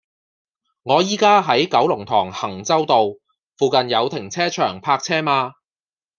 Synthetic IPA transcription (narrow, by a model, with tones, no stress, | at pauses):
ŋɔː˨˧jiː˥kaː˥ɦɐ˨˥jkɐ˨˥wlʊ˨˩ŋt̪ʰɔː˨˩ŋhɐ˨˩ŋt͡sɐ˥wt̪o˨w | fuː˨˧kɐ˨njɐ˨˧wt̪ʰɪ˨˩ŋt͡sʰɛː˥t͡ʃʰœː˨˩ŋpʰaː˧k̚t͡sʰɛː˥maː˧